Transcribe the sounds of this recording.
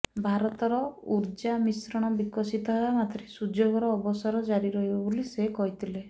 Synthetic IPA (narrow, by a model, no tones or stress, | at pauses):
bʱaɾɔt̪ɔɾɔuɾd͡ʒamisɾɔɽ̃ɔbikɔsit̪ɔɦɔwamat̪ɾesud͡ʒoɡɔɾɔːbɔsaɾɔd͡ʒaɾiɾɔɦibɔbolisekɔɦit̪ʰile